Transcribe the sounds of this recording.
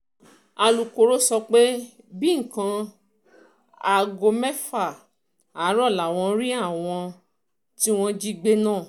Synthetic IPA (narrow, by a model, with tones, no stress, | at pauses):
a˧lu˨ko˨ɾo˦sɔ˧k͡pe˦ | bi˦ŋ̩˨kã˧ | a˨ɡo˧mɛ˦fa˦˨ | a˨˦ɾɔ˦˨la˨w̃ɔ̃˧ɾi˦a˦˨w̃ɔ̃˧ | ti˦w̃ɔ̃˦d͡ʒi˦ɡ͡be˦nãː˦˨